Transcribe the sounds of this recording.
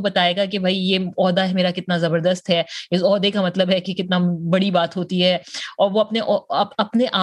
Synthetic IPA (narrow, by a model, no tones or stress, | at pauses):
bɐt̪aːeːɡak̬ebʱaːijeːɔːd̪aɦɛmeːɾakɪt̪nazɐbəɾd̪əst̪ɦɛːɪsɔːd̪ekamɐt̪ləbɦɛkekɪt̪nabɐɽibaːt̪ɦoːt̪iɦɛːɔːɾʋoɐpneʔɔɐɐpneʔaː